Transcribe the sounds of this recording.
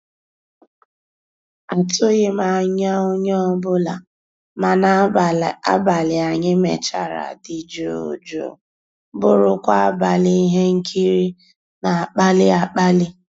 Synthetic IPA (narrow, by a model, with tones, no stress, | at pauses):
a˨tʊ˦ɣɪ˦ma˨ɲa˦o˦ɲɔ˦ɔ˦bʊ˦la̰˨ | ma˨na˦a̰˦ba˨lɪ˨a˨ɲɪ˦mḛ˨t͡ʃa˦˨ɾa̰˨di˨d͡ʒo˨o̰˨d͡ʒo̰˨ | bʊ˦˨ɾʊ˦kʷa˦a˦ba˨lɪ˦i˦ɦe˦ŋ̩˦kʰi˦ɾi˦ | na˨a˨k͡pa˦lɪ˦a˨k͡pa˦lɪ˦